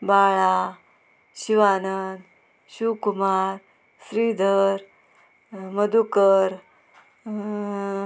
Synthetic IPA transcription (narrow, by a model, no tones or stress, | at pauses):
baɭa | ɕiʋanən | ɕukumaɾ | sɾid̪ʱəɾ | məd̪ukəɾ